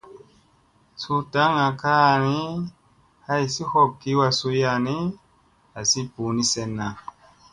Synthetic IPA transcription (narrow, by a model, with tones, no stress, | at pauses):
su˧ta˨˦ŋa˨kaː˦˨ni˦ | ha˦ji˨si˦hɔ˦˨p̚ki˨˦wa˧su˧ja˧˨ni˦ | a˨si˦pu˨˦ni˦sɛ˧nːa˨